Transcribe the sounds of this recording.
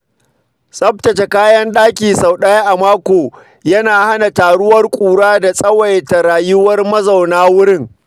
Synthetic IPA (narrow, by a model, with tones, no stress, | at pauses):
sʼɐ˦p̚tɐ˨t͡ʃe˨kaː˦jɐ˦nɗaː˦kʲiː˨sa˨wɗɐ˦ja˦ʔa˨maː˦kʷoː˨ | jɐ˦naː˨ha˦na˨taː˨ɽʊ˦wɐ˦rkʷʼuː˨ɽaː˦da˨sʼɐ˦wɐ˨jta˨ɾaː˨jʊ˦wɐ˦rmɐ˦zɐ˨wnaː˦wʊ˦ɽɪ˦˨ŋ